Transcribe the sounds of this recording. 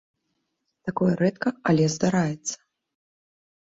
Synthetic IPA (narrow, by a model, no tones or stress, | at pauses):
t̪akɔjɛɾɛt̪kɐalʲɛzd̪aɾajɛt̪sːɐ̥